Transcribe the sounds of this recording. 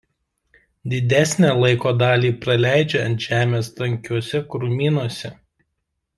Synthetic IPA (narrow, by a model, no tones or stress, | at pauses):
d̪ʲɪd̪ʲæsʲnʲæːlˠɐɪkoːd̪ɑːlʲiːpɾɐlʲæˑɪd͡ʒʲeɐ̰nt̪ʲʒ̥ʲæːmʲeːst̪ɐŋʲkʲuɔsʲɛkɾʊmʲiːnuɔsʲɛ